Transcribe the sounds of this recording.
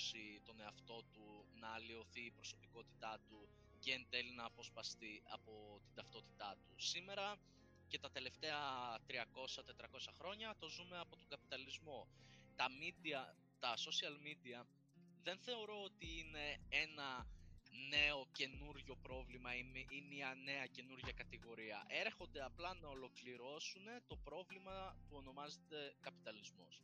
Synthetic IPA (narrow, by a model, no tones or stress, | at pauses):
sit̪o̞ne̞ɐft̪o̞t̪unɐːlio̞θiːpɾo̞so̞piko̞t̪i̥t̪ɐt̪u | ʝent̪elnɐːpo̞spɐst̪iɐ̰po̞t̪id̪ɐft̪o̞t̪i̥t̪ɐt̪usime̞ɾɐ | ce̞t̪ɐt̪e̞le̞ft̪e̞ɐt̪ɾiɐko̞sɐt̪e̞t̪ɾɐko̞sɐxɾo̞ɲɐt̪o̞zume̞ɐpo̞t̪oŋɡɐpit̪ɐlizmot̪ɐmid̪iɐ | t̪ɐso̞siɐlmid̪iɐ | ðe̞nθe̞o̞ɾo̞ot̪iine̞e̞nɐ | ne̞o̞ce̞nuɾʝo̞pɾo̞vlimɐimimiɐne̞ɐce̞nuɾʝɐkɐt̪iɣo̞ɾiɐ̰ʔe̞ɾxo̞nd̪e̞ɐplɐnɐo̞lo̞kliɾo̞sune̞t̪o̞pɾo̞vlimɐpuo̞no̞mɐze̞t̪e̞kɐpit̪ɐlizmo̞̰s